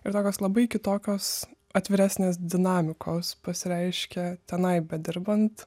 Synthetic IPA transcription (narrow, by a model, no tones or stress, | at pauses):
ɪɾt̪oːkʲoːslˠɐbɐɪkʲɪt̪oːkʲoːs | ɐt̪ʲʋʲɪɾʲæsʲnʲeːs̬d̪ʲɪnɑːmʲɪkʰoːspɐsʲɪɾʲɛɪʃʲkʲɛt̪ʲɛnɐɪbʲɛd̪ʲɪɾbɐnt̪